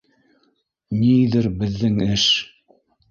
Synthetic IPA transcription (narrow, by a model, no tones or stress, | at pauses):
niðɘɾbɘ̆ðːɘŋɘʃ